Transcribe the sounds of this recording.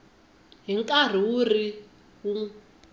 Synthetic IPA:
ɦiŋkʼar̤iuri | u

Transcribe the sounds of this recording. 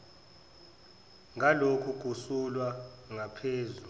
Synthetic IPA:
ŋalokʰukusulwa | ŋapʰeːzu

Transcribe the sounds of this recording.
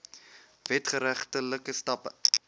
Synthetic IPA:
vɛtχəɾæχtələkəstɐpə

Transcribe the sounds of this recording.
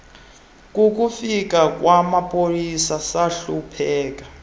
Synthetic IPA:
k̬ʼuk̬ufik̬ʼak̬wamapʼolisasaɬupʰɛːk̬ḁ

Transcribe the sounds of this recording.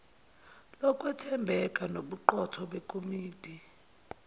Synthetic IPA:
lɔkʼwɛtʰɛmbʱɛkʼanoɓuǃɔtʰɔɓekʼomiːd̥ʱi

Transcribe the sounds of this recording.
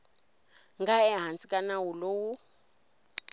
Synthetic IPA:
ŋɡaɛɦant͡sikʼanawuloːwu

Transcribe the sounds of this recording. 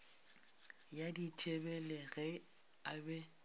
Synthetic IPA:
jaditʰʼebɛlɛɣɛ | abɛ

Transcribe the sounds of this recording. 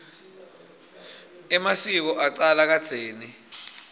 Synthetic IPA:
ɛmasik̬ɔʔaǀalak̬ad̥z̥ʱeːni

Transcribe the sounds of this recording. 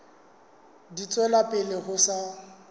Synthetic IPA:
dit͡sʼwɛlapʼɪlɪɣʊsa

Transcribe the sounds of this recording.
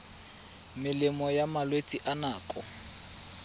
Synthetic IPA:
mɪlɪmɔjamalwet͡sʼiʔanaːkʼɔ

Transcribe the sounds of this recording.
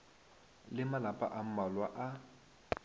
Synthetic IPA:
lɪmalapʼa̰ʔam̩malwaʔa

